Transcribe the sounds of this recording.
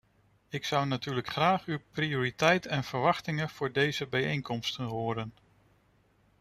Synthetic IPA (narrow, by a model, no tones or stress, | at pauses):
ɪksʌwnatyːɹləkχraːχywprioːɾitɛjtəɛnv̥əɹʋɑχtɪŋəv̥ʊːɹdejzəbɛjejŋkɔmstənɦoːɾən